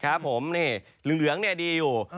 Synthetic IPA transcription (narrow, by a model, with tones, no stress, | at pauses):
kʰa˦˥pʰːo˩˦mniː˥˩ | lɯ˨˩ŋlɯ˩˦əŋni˥˩diː˧juː˨˩